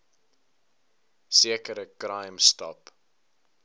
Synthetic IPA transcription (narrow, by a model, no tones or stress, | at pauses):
siəkəɾəkɾɐjmstɐ̰p